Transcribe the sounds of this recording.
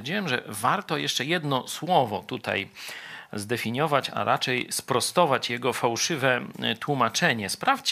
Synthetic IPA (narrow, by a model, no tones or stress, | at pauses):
ɾd͡ʑiwɛmʐɛ̰vaɾt̪ɔjɛʂt͡ʂɛjɛd̪nɔswɔvɔt̪ut̪a̰j | zd̪ɛfʲiɲjɔvat͡ɕa̰ɾat͡ʂɛjspɾɔst̪ɔvat͡ɕjɛɡɔfawʂɘvɛt̪wumat͡ʂɛɲɛspɾaft͡ɕ